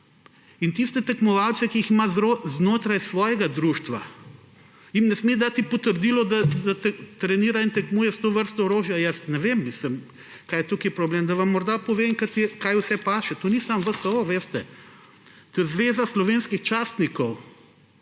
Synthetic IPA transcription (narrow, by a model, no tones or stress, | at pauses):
int̪ist̪ɛt̪ɛkmɔʋawt̪sɛkiiximazɾoznoːt̪ɾajsʋɔːjɛɡad̪ɾuːʃt̪ʋa̰ | imnɛsmed̪at̪ipɔt̪əɾd̪iːlɔd̪ad̪at̪t̪ɾɛniːɾaint̪ɛkmuːjɛst̪oʋəɾst̪ɔoɾoːʒjajəsnɛʋeːmːisləm | kaːjɛt̪okipɾɔbleːmd̪ɐʋɐmːɔɾd̪apɔʋeŋkat̪ɛkajʊsɛpaːʃɛt̪onisamʋəsəoʋeːst̪ɛ | t̪ojɛzʋeːzaslɔʋeːnskixt͡ʃaːst̪nikɔw